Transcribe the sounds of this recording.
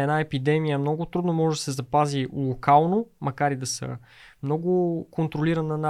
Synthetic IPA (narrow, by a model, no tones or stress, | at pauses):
ɛnaɛpid̪ɛmijəmnɔɡʊt̪ɾud̪nomɔʒɛd̪ɐsɛzɐpazilˠokalˠnomɐkaɾid̪ɐsə̰ | mnɔɡʊkont̪ɾoliɾənəna